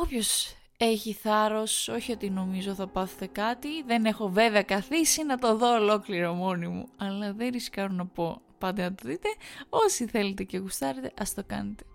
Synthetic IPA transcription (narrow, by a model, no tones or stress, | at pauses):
opço̞s | e̞çiθɐɾo̞so̞çio̞t̪ino̞mizo̞θɐpɐθet̪ekɐt̪iðe̞ne̞xo̞ve̞ve̞ɐkɐθisinɐt̪o̞ðo̞ːlo̞kliɾo̞mo̞nimṵɐlɐðenɾiskɐɾonɐpo | pɐnd̪enɐt̪oðit̪e̞o̞siθe̞let̪e̞ce̞ɣust̪ɐɾet̪e̞ʔɐst̪okɐ̰net̪e̞̥